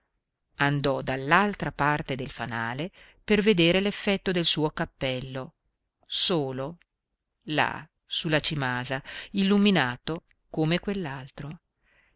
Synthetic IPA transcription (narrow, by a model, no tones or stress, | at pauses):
and̪ɔd̪alːalt̪ɾapart̪ed̪elfanaːle | perved̪eːɾelefːɛt̪ːod̪elsuːokapːɛlːo | soːlo | la̰ | sulːat͡ʃimaːzailːuminaːt̪o | komekwelːalt̪ɾo